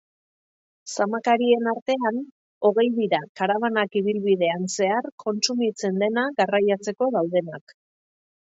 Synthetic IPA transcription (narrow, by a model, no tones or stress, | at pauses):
samakaɾie̞naɾt̪e̞an | o̞ɣe̞jðiɾakaɾaβanakiβilβið̞e̞anse̞arkʰo̞nt͡sumit͡se̞nd̪e̞naɣarajat͡se̞ko̞ðawð̞e̞nak